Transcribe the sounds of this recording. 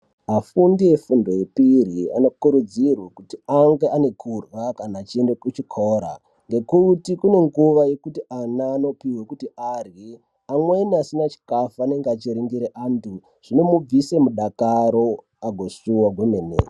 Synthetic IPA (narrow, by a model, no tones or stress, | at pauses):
ɦafundije̞fundo̞jepiria̰no̞kuɾud͡zirwakutiaŋɡeʔane̞kʰurwakanaːt͡ʃiendekut͡ʃikʰoːɾa̰ | ŋɡe̞kutikune̞ŋɡuʋaje̞kutianaːno̞piwekutiʔari | amwe̞niasinat͡ʃi̥kafuaːne̞ŋɡeat͡ʃiɾiŋɡiɾeʔantu | ʐ̥ine̞mub͡vise̞muɗakaɾo̞ | aɡʱo̞ʃuwaɡwemeːnḛ